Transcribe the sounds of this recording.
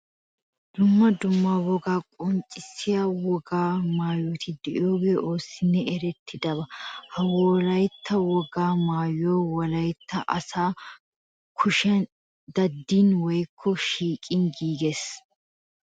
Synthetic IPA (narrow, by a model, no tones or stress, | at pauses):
d̪̥ʊmːɐd̪ʊmːaːwɔɡaːkʼɔnt͡ʃʼɪsːɪjaːwɔɡaːmaːjot̪ʰɪd̪ɛʔɪoːɡeːʔo̞ːsɪnːɛɛɾɛt̪ʰːɪd̪ɐβɐhɐwoːlɐjt̪ʰːɐwɔɡaːmaːjoːwɔlɐjt̪ːɐʔɐsaː | kʰʊʃɛ | d̪ɐd̪ːinwɔjkʰːɔʃiːkʼɪnɡiːɡes